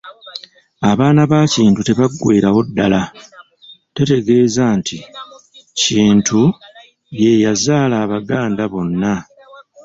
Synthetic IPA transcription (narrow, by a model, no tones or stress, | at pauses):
aβaːnaβaːciːntute̞βaɡːwe̞ːɾawo̞dːala | te̞te̞ɡe̞ːzaːntʰi | ciːntʰu | je̞jazaːlaːβaɡaːndaβo̞nːa